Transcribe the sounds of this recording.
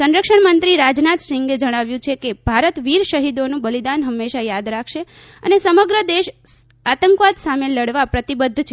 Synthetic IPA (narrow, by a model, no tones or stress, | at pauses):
sə̃nɾəkʃəɳmənt̪ɾiɾad͡ʒnat̪ʃɪŋɡed͡ʒəɽ̃aʋjũt͡ʃʰekebʱaɾət̪ʋiɾʃəɦid̪onũbəlid̪anɦəmːeʃajad̪ɾakʰʃe | ənesəməɡɾəd̪eʃ | at̪əŋkʋad̪sameləɽʋapɾət̪ibəd̪ʱːt͡ʃʰe